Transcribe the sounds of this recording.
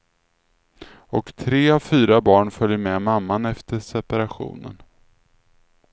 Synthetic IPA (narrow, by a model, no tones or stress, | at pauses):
ɔkt̪ʰɾeːavfyːɾabɑːɳfœljəmɛmamːanɛft̪əʂɛpaɾaɧṵːnə̰n